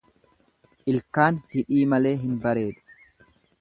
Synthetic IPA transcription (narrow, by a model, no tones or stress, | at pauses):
ʔɪlkaːnhɪᶑiːmɐle̞ːɦɪnbɐɾe̞ːᶑʊ̥